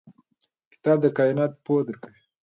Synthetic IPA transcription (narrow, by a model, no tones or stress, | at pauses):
kɪ̥t̪ɑb̚d̪əkɑɪnɑt̪̚pod̪əɾkawi